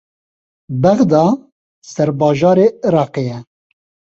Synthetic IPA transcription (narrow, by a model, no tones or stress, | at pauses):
bɛɣd̪ɑː | sɛɾbɑːʒɑːɾeːɨɾɑːqeːjɛ